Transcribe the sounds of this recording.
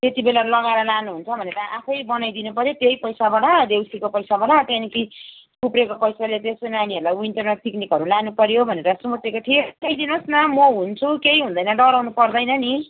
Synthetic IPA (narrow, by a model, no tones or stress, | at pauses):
t̪et̪ibelalʌɡaeɾʌlanuɦunt͡sʰʌbʱʌneɾʌʔapʰʌjbʌnajd̪inupʌɾjot̪jejpʌjsabaɽad̪ewsikopʌjsabaɽat̪aniki | kʰuprekopʌjsalet̪eskonaniɦʌɾulajwinʈʌrneʈ̚pʰiknikɦʌɾulanupʌɾjobʱʌneɾʌsumut̪ːekot̪ʰieʌjd̪inosnʌmoɦunt͡sʰukeiɦũnd̪ʌjnʌɖʌɾawnupʌrd̪ʌjnʌni